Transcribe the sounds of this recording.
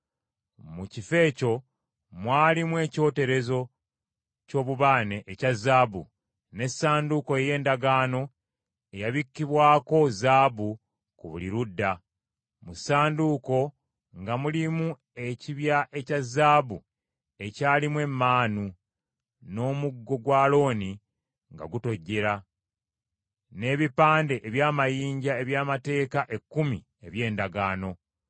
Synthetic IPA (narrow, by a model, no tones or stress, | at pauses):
mucife̞ːco̞ | mwaːlimwe̞ːco̞ːte̞ɾe̞zo̞ | co̞ːβuβaːne̞ʔːcazːaːβṵ | ne̞saːnduko̞eje̞ːndaɡaːno̞ | ejaβikːiβwaːko̞zaːbu | kuβuliɾudːa | musaːnduko̞ | ŋɡamulimu | e̞ciβjaʔe̞cazaːβu | e̞caːlimwe̞mːaːnu | no̞ːmuɡːo̞ɡwaːlo̞ːni | ŋɡa̰ɡuto̞ɟːe̞ɾa | ne̞ːβipaːnde̞ʔeβjaːmajiːɲɟae̞βjaːmate̞ːkaʔe̞kːumi | e̞βje̞ːndaɡaːno̞